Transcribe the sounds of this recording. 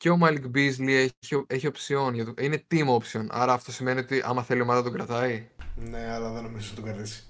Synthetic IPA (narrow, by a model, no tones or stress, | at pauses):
ce̞omɐlkbizlieçioeçio̞psio̞nʝɐt̪uʔine̞t̪imo̞psio̞nɐ̰ɾɐːft̪o̞sime̞nio̞t̪iʔɐ̰mɐθe̞limɐnd̪ɐt̪oɡɾɐt̪ɐine̞ɐlɐðenomizenɐt̪oɡɐɾðisi̥